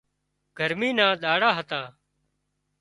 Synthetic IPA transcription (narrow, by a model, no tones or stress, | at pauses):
ɡ̥ʱəɾmiːnãːɗ̪aːɽaːɦət̪ãː